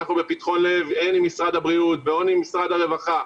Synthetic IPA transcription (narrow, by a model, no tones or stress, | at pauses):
aχnube̞pit̪χo̞nle̞venimisʁad̪habʁiut̪̚beo̞nimisʁad̪haʁe̞vaχa